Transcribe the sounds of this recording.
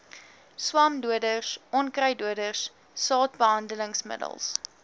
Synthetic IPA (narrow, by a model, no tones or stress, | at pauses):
swɑːmduədərsʔɔnkrɐjduədərsː | ɑːtbəɦɐndələŋsmə̰də̰lˠs